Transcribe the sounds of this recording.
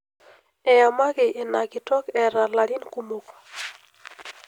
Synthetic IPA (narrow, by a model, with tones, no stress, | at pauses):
ɛ˨ja˨ma˦ɡɪ˨ʔɪ˨na˨ɡɪ˨tɔ˦kɛ˨ɾa˨la˨ɾi˦nku˦mo˨k